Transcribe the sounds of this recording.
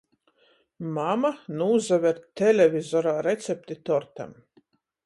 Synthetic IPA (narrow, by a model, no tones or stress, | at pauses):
mamanuːzavʲɛɾt̪elʲevʲizɔɾaːɾet̪sʲɛp̚ʲt̪it̪ɔɾt̪a̰m